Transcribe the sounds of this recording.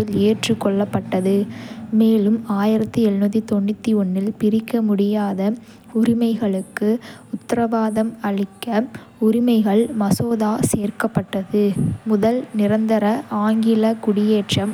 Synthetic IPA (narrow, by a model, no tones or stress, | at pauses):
ɪleːʈrɯkːɔɭːɐpːɐʈːɐðɯmeːlɯmaːjɪɾɐt̪ːɯɛnːɐðit̪ɔɳːɪt̪ːiɔnːɪlpɪɾɪkːɐmʊɽɪjaːðɐ | ʊɾɪmɐɪɣɐɭɯkːɯʊt̪ːɐɾɐʋaːðɐmɐɭɪkːɐ | ʊɾɪmɐɪɣɐɭmɐsoːðaːseːɾkɐpːɐʈːɐðɯmʊðɐlnɪɾɐnd̪ɐɾɐʔaːŋɡɪlɐkʊɽɪjeːʈrɐm